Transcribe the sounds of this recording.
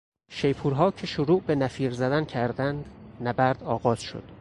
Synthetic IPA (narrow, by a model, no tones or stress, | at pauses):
ʃejpʰuːɾɦɒːcʰeʃoɾuːʔbenæfiːɾzæd̪æncʰæɾd̪ænd̪næbæɾd̪ɒːɣɒːz̥ʃo̰d̪̥